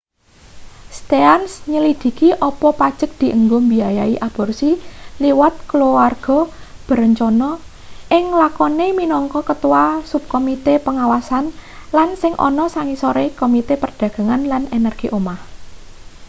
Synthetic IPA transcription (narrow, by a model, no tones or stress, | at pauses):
st̪eansɲəlid̪̥i̤kiʔɔpɔpad̥ʒ̥ək̚d̪̥i̤ʔəŋɡombiajaiʔab̥ɔ̤rsiliwat̪̚kloarɡ̥ɔ | b̥ə̤ɾəɲt͡ʃɔnɔ | ʔɪŋlakɔneminɔŋkɔkət̪uwasup̚komit̪epəŋawasanlansɪŋʔɔ̰nɔsaŋisɔɾekomit̪epərd̪̥ä̤ɡ̥a̤ŋanlanenɛrɡ̥iʔomah